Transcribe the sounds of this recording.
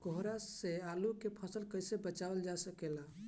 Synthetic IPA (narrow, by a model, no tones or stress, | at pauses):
ɡoɦɾasealukepʰəsəlkəjsebət͡ʃabəld͡ʒasəkela